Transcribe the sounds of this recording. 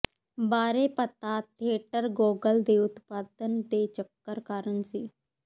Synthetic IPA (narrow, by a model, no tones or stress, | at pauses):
baːɾeːpət̪aːt̪ʰeːʈəɾɡoːɡəld̪eːʊt̪paːd̪ənd̪eːt͡ʃəkːəɾkaːɾənsiː